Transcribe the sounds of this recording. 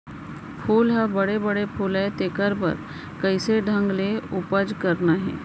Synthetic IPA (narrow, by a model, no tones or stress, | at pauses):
pʰuːlɦabɐɽebəɽepʰuːlɛt̪ekəɾpɐ̰ɾ | kəɪseɖʱə̃ŋɡleʊpəd͡ʒkəɾnaɦɛ̰ː